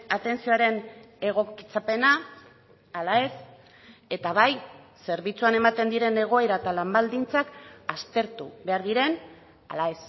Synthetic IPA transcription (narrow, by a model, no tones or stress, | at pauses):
at̪e̞nsioaɾe̞n | e̞ɣ̞o̞ki̥t͡sape̞naː | lae̞s | e̞t̪aβ̞aj | se̞ɾβit͡suane̞mat̪e̞nd̪iɾe̞ne̞ɣ̞o̞eɾaet̪alambald̪int͡sakast̪e̞ɾt̪uβe̞aɾðiɾe̞n | a̰lae̞s